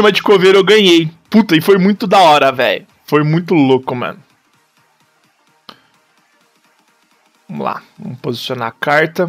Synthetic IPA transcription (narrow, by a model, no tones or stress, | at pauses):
imɐd͡ʒɪkoveɾewɡɐ̃ɲejput̪ɐɪfojmũj̃t̪ʊd̪ɐɔɾɐvɛ̰jʊ | fojmũj̃t̪ʊlokʊmɐ̰̃nʊ | vɐmʊ̰la̰vɐ̰̃mʊpozisiona̰ːkaɾt̪ɐ